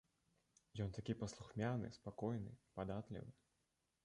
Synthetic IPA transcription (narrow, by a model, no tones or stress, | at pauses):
jɔnt̪akʲipɐslˠuxmʲanɨ̰spakɔjnɨ̰pad̪at̪lʲḭvɨ